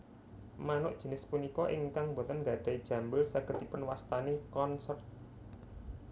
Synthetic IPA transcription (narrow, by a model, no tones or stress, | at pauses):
manʊʔd̥ʒ̥ə̤nɪspunikɔʔɪŋkaŋbo̤t̪ənɡa̤d̪̥a̤id̥ʒ̥ä̤mbəlsaɡ̥ə̤t̪ːipʊnwast̪anekɔnsɔrt̪̚